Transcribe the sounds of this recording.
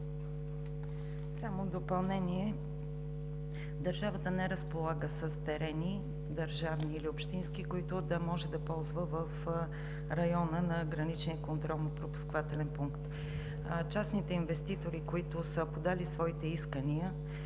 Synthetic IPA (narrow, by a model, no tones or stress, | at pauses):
samod̪opɐlˠnɛniɛ | d̪ɐɾʒavət̪ənɛɾəspolˠaɡəsəst̪ɛɾɛni | d̪əɾʒavniːliʊpʃt̪inskikoit̪ʊd̪ɐmɔʒɛd̪ɐpɔlˠzvəvəf | ɾɐjɔnənɐɡɾɐnit͡ʃnijəkont̪ɾɔlˠnopɾopu̥skovat̪ɛlɛnpuŋkt̪ | t͡ʃasnit̪ɛinvɛst̪it̪oɾikoit̪ʊsəpod̪alisvɔit̪ɛiskəniə